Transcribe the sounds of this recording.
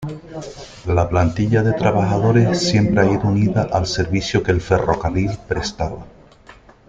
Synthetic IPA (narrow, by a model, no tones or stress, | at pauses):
laplant̪iʎaðe̞t̪ɾaβaxað̞o̞ɾe̞sːje̞mpɾeaiðouniðaʔalse̞ɾβisjokelfe̞ro̞karilpɾe̞st̪aβa̰